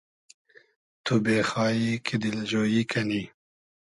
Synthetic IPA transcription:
t̪ʰubeːxɑːjikʰid̪ilʒoːjikʰɐni

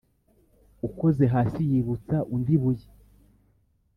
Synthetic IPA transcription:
uko̞zeɦasijiβut͡saʔundiβuji

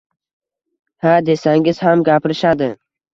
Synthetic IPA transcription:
had̪esaŋɡʲɪz̥hamɡʲapʰɪɾɪʃad̪ɪ

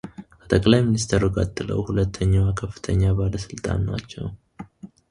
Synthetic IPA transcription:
kʰə̥t̪ʰʼəkʼlajminist̪ʰeɾukʼə̰t̪ʼːɨlə̰whulət̪ʰːəɲːawakʰəfːɨ̥t̪ʰəɲːabaləsɨlt̪ʼa̰nːa̰t͡ʃːɛ̰w

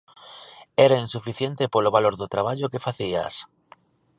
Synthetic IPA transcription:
ɛɾainsufiθjent̪epoloβaloɾðot̪ɾaβaʎokefaθia̰s

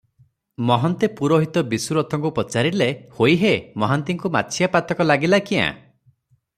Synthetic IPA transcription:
mɔɦɔnt̪epuɾɔɦit̪ɔbisuɾɔt̪ʰɔŋkupɔt͡ʃaɾilehojɦemɔɦant̪iŋkuma̰t͡ʃʰijapat̪ɔkɔlaɡilakiã̰

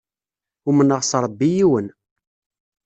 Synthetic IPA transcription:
ʊmənːəʁsɾˤəbːijiwən

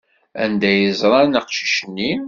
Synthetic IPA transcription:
æ̰nd̪æjəzɾˤɑnəqʃi̥ʃənːin

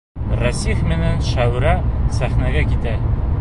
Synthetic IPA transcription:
ræsifmɘ̆nænʃæwɾæsæχnæɡækit̪æ

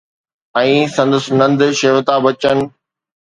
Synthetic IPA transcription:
ɛ̃ːsɐ̃nd̪əsnɐ̃nd̪ʱʃeːʋt̪abɐt͡ɕənɪ̆

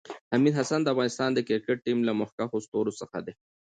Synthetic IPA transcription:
hamid̪ɦasand̪əafɣɑnɪst̪ɑnd̪əkɪɾkəʈ̚ʈimlamʊhkaxost̪oɾosəxa̰d̪e

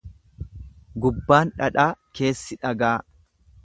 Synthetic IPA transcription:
ɡʊbːaːnᶑɐᶑaːke̞ːsːɪᶑɐɡaː

